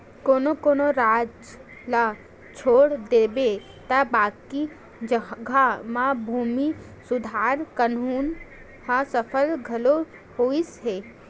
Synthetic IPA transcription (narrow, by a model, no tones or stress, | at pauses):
koːnokoːnoɾad͡ʒ | la | t͡ʃʰoːɽd̪ebe | t̪abaːki | d͡ʒəɡʱamãbʱuːmi | sʊd̪ʱaːɾkənuːn | hãsəpʰəlɡʱəlo | hoːisɦeː